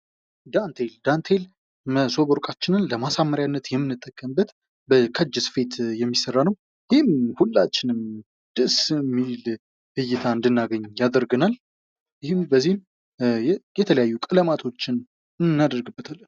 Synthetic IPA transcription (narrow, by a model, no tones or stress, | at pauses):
d̪ant̪ʰeld̪ant̪ʰel | məso̞bəɾkʼat͡ʃːɪnɨnləmasamːəɾjanːət̪jɛmːɨnːɨt̪ʼːəkʼːəmbːət̪ | bəkʰəd͡ʒːɨsfe̞t̪jɛmːisərːanəw | jɪhɪmhulːat͡ʃːɪnɨm | d̪̥ɨsmːil | bɨjːɪt̪ʰaɨnd̪ɨnːaɡəɲːjad̪əɾɡənal | jɪhɪmbəzːihm | jɛt̪ʰələjajːukʼɨləmat̪ʰo̞t͡ʃːɪn | ɨnːad̪əɾɡɨbːət̪ʰalːən